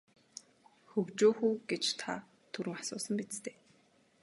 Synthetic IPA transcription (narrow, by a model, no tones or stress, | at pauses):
xɵɣt͡ɕoːxuːɡ̥et͡ɕt̪ʰa̰ | t̪ʰuɾɘ̆ŋasʊːsə̆mpit͡st̪ʰeː